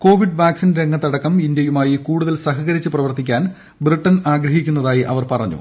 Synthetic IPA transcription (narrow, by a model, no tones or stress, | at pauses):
ko̞ːʋiɖʋaːksinɾe̞ŋːɐt̪ːɐɽɐkːɐmind̪jɐjumaːjikuːɽuðɐlsɐɦɐɣɐɾit͡ɕːɨprɐʋɐrt̪ikʲːaːn | briʈːɐnaːɡɾɐɦikʲːunːɐðaːjiʔɐʋɐrpɐrɐɲːṵ